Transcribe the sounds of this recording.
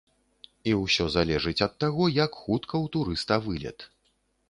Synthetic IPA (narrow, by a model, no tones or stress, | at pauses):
iwsʲɔzalʲɛʐɨt͡sʲɐt̪ːaɣɔjɐkxut̪kɐwt̪uɾɨst̪ɐvɨlʲɛ̰t̪